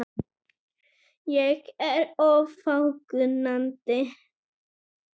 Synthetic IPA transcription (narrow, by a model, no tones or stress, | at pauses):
jɛkɛɾɔfawkʉnant̪ɪ